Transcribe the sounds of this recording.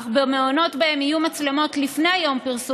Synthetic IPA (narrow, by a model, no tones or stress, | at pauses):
bemeono̞tbae̞mijumat͡sle̞mo̞t̪lifnejajo̞mpiʁsu